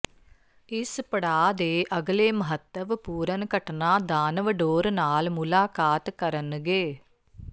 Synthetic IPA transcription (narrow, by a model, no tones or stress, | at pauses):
ɪspɐɽaːd̪eːʔɐɡleːmɐɦɐt̪ːəʋpuːɾɐnkɐʈənaːd̪aːnɐʋəɖoːɾnaːlmulaːkaːt̪kɐɾɐnɨɡeː